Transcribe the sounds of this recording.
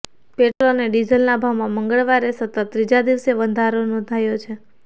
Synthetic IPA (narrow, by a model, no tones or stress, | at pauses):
peʈɾoneɖizəlnabʱawmãməŋɡəɭʋaɾesət̪ət̪ːɾid͡ʒad̪iʋseʋənd̪ʱaɾonɔ̃nd̪ʱajot͡ʃʰe